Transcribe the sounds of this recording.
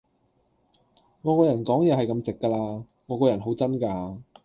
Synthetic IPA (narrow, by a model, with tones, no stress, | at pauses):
ŋɔː˨˧kɔː˧jɐ˨˩nkɔː˨˥ŋjɛː˨˧hɐ˨jkɐ˧mt͡sɪ˨kːaː˧laː˧ | ŋɔː˨˧kɔː˧jɐ˨˩nɦo˨˥wt͡sɐ˥nkaː˧˨˧